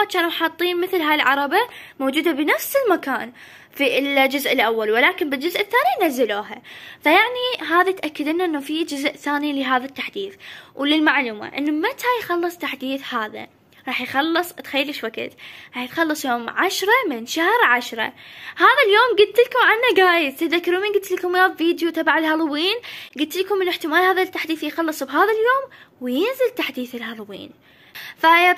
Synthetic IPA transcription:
t͡ʃaːnaħɑt̪ˤːiːnmɪθlɦaːjlʕɑɾˤɑbamoːd͡ʒuːd̪abɪnafsɪlmakaːn | fiɪld͡ʒʊzʔɪlʔawːalwɪlaːkɪmbɪld͡ʒʊzʔɪθːaːninazːaloːɦafajaʕniɦaːðat̪ʔakːɪd̪ʔɪnːaʔɪnːafid͡ʒʊzʔθaːnilɪɦaːðat̪ːaħd̪iːθwlɪlmaʕluːma̰ʔɪ̰nːamat̪ʰajxɑlːɨsˤt̪aħd̪iːθhaːða̰ | ɾˤɑːħjxɑlːɨsˤt̪xajːalɪʃwakɪ̰t̪ɾˤɑːħjɪt̪xɑlːɨsˤjoːmʕaʃɾˤɑmɪnʃahɾʕaʃɾˤɑ̰haːðaljoːmɡʊd̪̚t̪ɪlkʊmʕanːaɡaːjɪdt̪ɪt̪ðakːɪɾuːmiːnɡʊd̪t̪lkʊmjaːðviːd̪jut̪ɑbaʕalhɑlˤwiːnɡʊd̪̚t̪lkʊmːɪnɪħt̪ɪmaːlhaːðat̪ːaħd̪iːθjxɑlːɨsˤbɦaːðaljoːmwjɪnzɪlt̪aħd̪iːθɪlhɑlˤwḭːn | fa

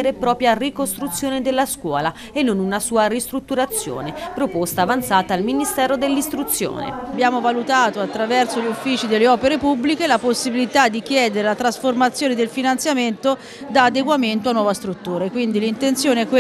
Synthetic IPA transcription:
ɾepɾɔːpɾjarikost̪ɾut̪sːjoːned̪elːaskwɔ̰ːla | enːonunasuːaɾist̪ɾut̪ːuɾat̪sːjo̰ːnepɾopost̪aːvant̪saːt̪aːlminist̪ɛːɾod̪elːist̪ɾut̪sːjo̰ːnḛabjaːmovalut̪aːt̪oat̪ːɾavɛrsoʎiufːiːt͡ʃid̪elːeɔːpeɾepubːlikelaposːibilit̪ad̪ːik̟jɛːd̪eɾelat̪ɾasformat̪sːjoːned̪elfinant̪sjament̪o | d̪aːd̪eɡwament̪oanːwɔːvast̪ɾut̪ːuːɾakwind̪ilint̪ent̪sjoːneɛk

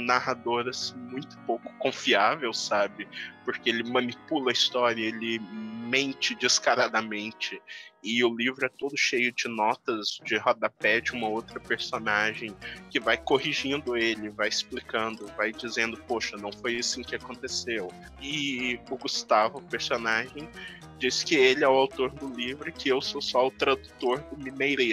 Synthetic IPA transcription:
nahad̪oɾɐsĩmũj̃t̪ʊ̥powkʊ̥kõfiavewsabɪpʊɾkeelɪmɐ̃nipulɐist̪ɔɾiɐelɪmẽnt͡ʃɪd͡ʒɪskaɾad̪ɐmẽnt͡ʃɪɪʊlivɾʊɛt̪od̪ʊʃejʊd͡ʒɪnɔt̪ɐzd͡ʒɪɦɔd̪ɐpɛd͡ʒɪũmɐowt̪ɾɐpeɾsonaʒẽj̃kɪvajkoɦiʒĩnd̪ʊelɪvajɪsplikɐ̃nd̪ʊvajd͡ʒizẽnd̪ʊpoʃɐnɐ̃w̃fojisʊĩkɪakõnt̪esew | ɪʊɡust̪avʊpeɾsonaʒẽj̃ | d͡ʒisɪ̥kɪelɪɛʊawt̪oɾd̪ʊlivɾʊkɪewsosɔʊt̪ɾad̪ut̪oɾd̪ʊmimejɾej

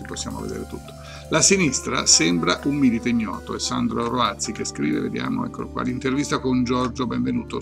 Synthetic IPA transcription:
iposːja̰ːmo̰vḛd̪ḛːɾet̪ut̪ːo̥ | lasinist̪ɾa̰sɛmbɾaʔumːilit̪eiɲːɔ̰ːt̪oesːand̪ɾoroat̪sikeskɾḭːvḛvḛd̪ja̰ːmo̰ɛ̰kːolkwa̰ːlint̪ervist̪akond͡ʒɔrd͡ʒobɛ̃ɱvenuːt̪o

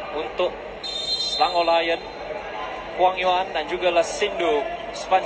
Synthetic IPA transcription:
unt̪ʊk̚ | slaŋolajən | kuaŋjoandand͡ʒuɡalasindo | span

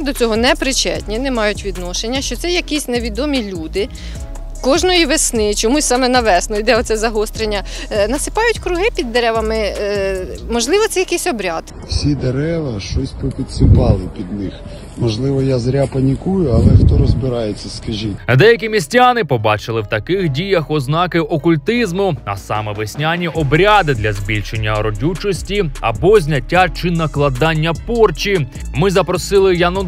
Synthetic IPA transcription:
d̪ɔt͡sʲɔɦɔnɛpɾɪt͡ʃɛ̰tʲnʲinɛmɑjʊtʲʋʲid̪nɔʃenʲːɐʃt͡ʃɔt̪sɛjɐkisʲneʋʲid̪ɔmʲilʲud̪ɪ | kɔʒnɔjiʋesnɪt͡ʃɔmusʲsɑmɛnɐʋɛsnɔid̪ɛɔt̪sɛzɐɦɔst̪ɾenʲːɐ | nɐsɪ̥pɑjʊtʲkɾʊɦɪpʲid̪ːeɾɛʋɐmɪ | mɔʒlˠɪʋɔt̪sɛjɐkesʲɔbɾʲɑd̪̥ | wsʲid̪eɾɛʋɐʃt͡ʃɔsʲpɔpʲit̪sɪpɑlˠɪpʲid̪nɪx | mɔʒlˠɪʋɔjazɾʲapɐnʲikujʊɐlˠɛxt̪ɔɾɔzbɪɾɑjet͡sʲːɐskɐʒid̪ɛjɐk̬ʲimʲisʲtʲanɪpɔbɑt͡ʃɪlˠɪwt̪ɐkɪxdʲijɐxɔznɑkɪʔɔkʊlʲt̪ɪzmʊɐ̰sɑ̰mɛʋɪsʲnʲanʲiʔɔbɾʲad̪ɪd̪lʲɐzʲbʲilʲʃenʲːɐɔɾɔdʲut͡ʃɔsʲtʲiɐ̰bɔzʲnʲɐtʲːat͡ʃɪnɐklˠɐd̪ɑnʲːɐpɔrt͡ʃʲi | mɪzɐpɾɔsɪlˠɪjanɔ

